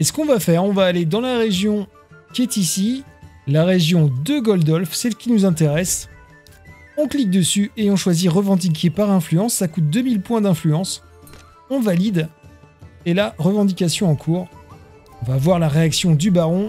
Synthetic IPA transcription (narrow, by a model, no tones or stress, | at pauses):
esə̥kɔ̃vafɛʁɔ̃vaːled̪ɑ̃laʁeʒjɔ̃ | kʲiɛt̪isilaʁeʒjɔ̃d̪əɡɔld̪ɔlfsɛlkʲinuzɛ̃t̪̬eʁɛs | ɔ̃klik̚d̪əsyeɔ̃ʃwaziʁəvɑ̃d̪ik̬ʰʲepaʁɛ̃flyɑ̃sːakut̪̚d̪əmilpwɛ̃d̪ɛ̃flyɑ̃s | ɔ̃valid̪ | elaʁəvɑ̃d̪ikʲasjɔ̃ɑ̃kʰuːʁ | ɔ̃vavwaʁlaʁeaksjɔ̃d̪ybaʁɔ̃